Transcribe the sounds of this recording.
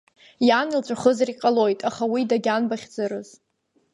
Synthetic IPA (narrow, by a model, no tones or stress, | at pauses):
janilt͡ʃʷʼaχəzaɾiqʼalo̞jtʼaχawidaɡʲanbaχʲd͡zɨɾɨz